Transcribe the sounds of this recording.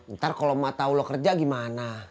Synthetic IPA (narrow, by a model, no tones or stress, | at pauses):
ənt̪arkolomat̪aulokərd͡ʒaɡimana